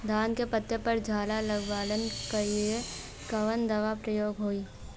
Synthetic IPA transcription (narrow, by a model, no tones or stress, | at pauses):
d̪aːnkepət̪ːepəɾd͡ʒʱaːlaləɡʋaːlənkaie | kɐʋənd̪ɐʋapɾəjoːɡɦoːiː